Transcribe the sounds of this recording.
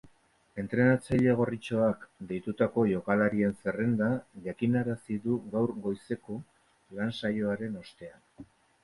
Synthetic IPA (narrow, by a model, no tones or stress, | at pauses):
e̞nt̪ɾe̞nat͡saʎe̞ɣ̞o̞rit͡ʃo̞akd̪e̞jt̪ut̪ako̞ʝo̞kalaɾie̞nse̞re̞nd̪aʝakinaɾasiðuɣawɾɣo̞jse̞ko̞ | lansajo̞aɾe̞no̞st̪e̞an